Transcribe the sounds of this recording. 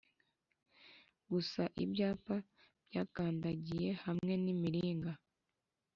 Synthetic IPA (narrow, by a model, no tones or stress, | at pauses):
ɡusaʔibɟaːpa | b̥ɟaːkaːndaɟije̞hamŋe̞nimiɾiːŋɡa